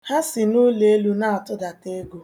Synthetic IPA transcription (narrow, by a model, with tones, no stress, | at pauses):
ha˦sɪ˨nʊ˦le˨e˦lu˦na˦a˨tʊ˦da˨te˦ɡo˨